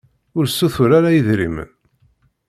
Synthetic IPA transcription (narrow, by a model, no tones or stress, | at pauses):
ʊɾsːuθʊɾaɾajəðɾḭmə̰n